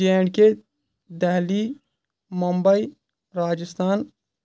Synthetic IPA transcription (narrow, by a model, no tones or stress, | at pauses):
eːɽke | d̪ɛɦli | mumbəi | ɾaːd͡ʒəst̪ʰaːn